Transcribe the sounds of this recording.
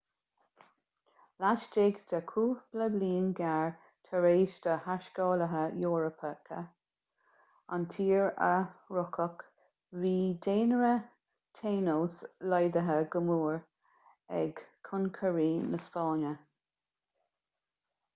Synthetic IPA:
laʃdɪɡd̪əkʰuːb̥ləbliːnɡaɹ | t̪ʰəɾeːʃd̪̥əhaʃkɔːləɦəjɔːɹəpʰəkʰə̰ | a̰nt̪ʰiːɹə̰ɹʊkʰək | viːd̪eːnəɹə | t̪ʰeːnowslɔjd̪əɦəɡəmuːɹ | ɛ̰ɡkʰʊnkʰəɹiːnəspɑːnə

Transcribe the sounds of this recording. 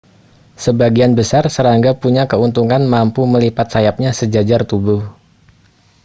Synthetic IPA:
səbaɡianbəsarsəɾaŋɡapuɲakəunt̪uŋanmampuməlipat̪̚sajap̚ɲasəd͡ʒad͡ʒart̪ubuh

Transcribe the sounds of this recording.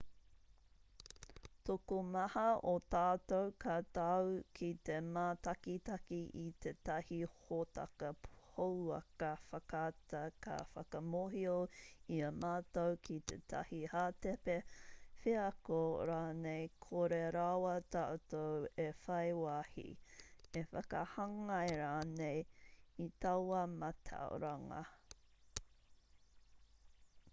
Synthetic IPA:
tokomɐhɐot̪aːtowkatawkʰit̪emaːtɐkit̪ɐkiʔit̪ʰetɐhihotɐ̰kɐhowɐ̰kɐfɐkatɐkɐ̰fɐ̰kɐmoɦioiɐmaːtowkʰit̪ʰḛtʰɐ̰hihaːtepefeɐkoɾaːnejkʰoɾeɾawɐtaʔtowefɐjwaːhḭefɐkɐhɐŋɐeɾaːnejit̪ɐwɐmɐtʰa̰o̰ɾaŋɐ̰

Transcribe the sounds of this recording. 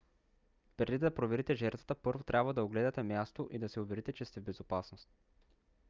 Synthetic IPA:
pɾɛd̪id̪ɐpɾovɛɾit̪ɛʒɛɾt̪və̥t̪əpɤɾvot̪ɾʲʔabvəd̪ɐoɡlɛd̪ɐt̪ɛmjast̪oʔid̪ɐsɛʊvɛɾit̪ɛt͡ʃɛst̪ɛvbɛzopasnost̪

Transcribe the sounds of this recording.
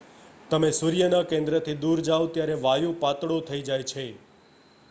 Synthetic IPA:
t̪əmesuɾjənakẽnd̪ɾət̪ʰid̪uɾd͡ʒaʋt̪jaɾeʋajũpat̪ɽõt̪ʰəid͡ʒajt͡ʃʰe

